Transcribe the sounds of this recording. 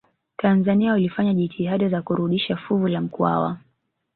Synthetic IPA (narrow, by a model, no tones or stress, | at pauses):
tʰanzaniaulifaɲaʄitʰiɦaɗazakuɾuɗiʃafuvulam̩kwa̰wa̰